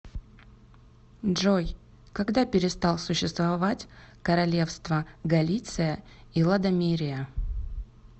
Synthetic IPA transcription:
ʐoj | kɐɡd̪apʲɪɾʲɪst̪ɑlˠsʊɕːɪst̪vɐvatʲkəɾɐlʲe̞fst̪vəɡɐlʲit̪sɨjə | ilˠəd̪ɐmʲiɾʲɪjə

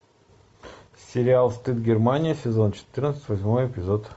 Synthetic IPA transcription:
sʲɪɾʲɪalˠst̪ɨt̪̚ɡʲɪrmanʲɪjəsʲɪzo̞nt͡ɕɪ̥t̪ɨrnət̪sət̪ʲvɐsʲmo̞jɪpʲɪzot̪

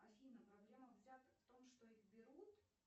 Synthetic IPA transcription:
ɐsʲilʲnəjpɾɐblʲeməvzʲat̪əft̪o̞mʂt̪oiɣbʲɪɾut̪

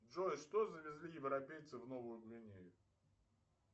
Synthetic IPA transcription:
dʐojʂt̪ozəvʲɪzlʲijɪvɾɐpʲejt̪sɨvnovʊjʊblʲɪnʲejʊ

